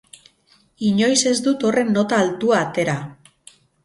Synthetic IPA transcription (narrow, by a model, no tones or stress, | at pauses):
iɲo̞jse̞zd̪ut̪o̞re̞nːo̞t̪aːlt̪uaːt̪e̞ɾa